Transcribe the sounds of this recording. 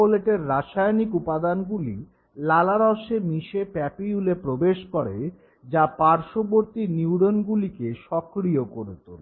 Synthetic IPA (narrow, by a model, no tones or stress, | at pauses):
oleʈeɾːaʃajnikupad̪anɡuli | lalaɾɔʃemiʃepɛpiulepɾobeʃkoɾe | d͡ʑapaɾʃoboɾt̪iniuɽonɡulikeʃɔkɾiokoɾet̪ole